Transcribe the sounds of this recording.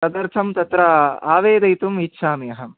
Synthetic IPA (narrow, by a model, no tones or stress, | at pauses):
ɐd̪ɐɾt̪ʰɐmt̪ɐt̪ɾɐa̰ːʋeːd̪ɐjt̪umitːʃʰaːmijɐɦɐm